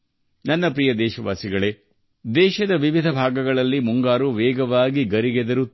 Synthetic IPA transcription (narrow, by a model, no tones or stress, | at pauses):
nɐnːɐpɾijɐd̪ɛːʃɐʋa̰ːsiɡɐɭe | d̪ɛːʃɐd̪ɐʋiʋid̪ʱɐbʱaːɡɐɡɐɭɐlːimuŋɡaːɾuʋɛːɡɐʋaːɡiɡɐɾiɡed̪ɐɾu